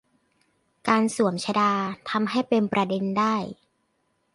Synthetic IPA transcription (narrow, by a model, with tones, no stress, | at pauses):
kaː˧nsu˨˩˦əmt͡ɕʰa˧daː˧t̪ʰa˧mɦa˥˩jpe˧npɾa˧de˧ndaː˥˩j